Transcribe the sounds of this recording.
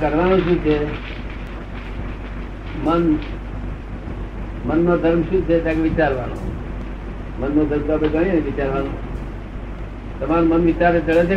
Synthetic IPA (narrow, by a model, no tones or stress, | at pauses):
kəɾʋaːnõːʃũːt͡ʃʰeː | mən | mənːõːd̪ʱəɾmʃut͡ʃʰeːt̪aːkeʋɪt͡ʃaːɾʋa̰ːnõ̰ː | mənːoːd̪ʱəɾmt̪oːbeɡəɽ̃ĩẽʋɪt͡ʃaːɾʋaːnõː | t̪əmaːnmənʋɪt͡ʃaːɾset͡ʃəɽeːt͡ʃʰeː